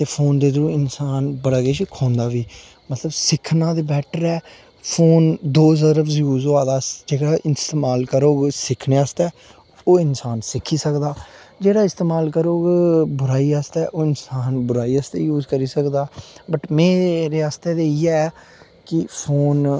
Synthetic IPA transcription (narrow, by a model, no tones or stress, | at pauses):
t̪eːpʰoːnd̪eːd̪əɾũːɪnsaːnbəɽaːɡeːʃkʰɔ̃ːnd̪aːʋiː | mət̪ləbsɪkʰːnãːd̪eːbɛːʈʰəɾɛː | pʰoːnd̪oːzəɾəpsjuːzoaːd̪aːd͡ʒeːɽaːʔɪst̪eːmaːlkəɾoːɡsɪkʰneːəst̪ɛː | oːɪnsaːnsɪkʰːiːsəkd̪aːd͡ʒeːɽaːɪst̪eːmaːlkəɾoːɡbʊɾaːiːəst̪ɛːʔoːɪnsaːnbʊɾaːiːəst̪ejuːzkəɾiːsəkd̪aːbəʈmeːɾeːaːst̪eːd̪eːiːɛː | kɪpʰoːn